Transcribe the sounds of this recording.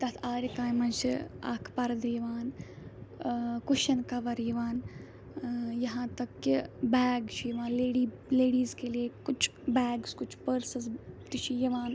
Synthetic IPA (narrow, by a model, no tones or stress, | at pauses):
t̪ɐt̪ʰaːɾikaːnmɐnt͡ʃʰia̰kʰpɐɾd̪ɐjiʋaːn | kʊʃɐnkɐʋɐɾjiʋaːn | jɐɦãːt̪ɐkːbɛːɡt͡ʃʰijʋãːnleːɖiː | leːɽiːzkeliekʊt͡ʃʰbɛːɡskʊt͡ʃʰpəɾsɐzt̪it͡ʃʰijɐʋaːn